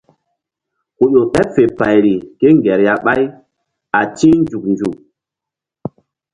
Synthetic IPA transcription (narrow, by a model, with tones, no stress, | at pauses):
ko˨jo˨ɗɛ˦pfe˨pa˨jɾi˨ke˦ŋɡɛ˨ɾja˦ɓa˦j | a˨tĩ˦nd͡ʒu˨k̚nd͡ʒu˨k̚